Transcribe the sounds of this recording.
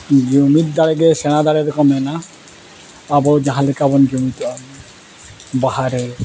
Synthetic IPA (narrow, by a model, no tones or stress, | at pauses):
d͡ʒumit̪̚d̪aɽɛɡɛsɛɽ̃ad̪aɽɛɾɔkɔmɛna | abɔd͡ʒãɦãlɛkabɔnd͡ʒumit̪ɔm | baɦaɾɛ